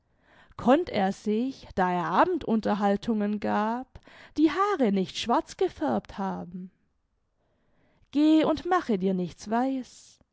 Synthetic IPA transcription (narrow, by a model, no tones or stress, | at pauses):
kʰɔntʰeːɐz̥ɪçd̥aːeːɐʔaːbm̩tʔʊntɐɦaltʰʊŋənɡaːpd̥iːɦaːʁənɪçtʃv̥aɐt͡sɡ̥əfɛɐp̚thaːbm̩ | ɡ̥eːʊntmaχədiːɐnɪçt͡sv̥aɪs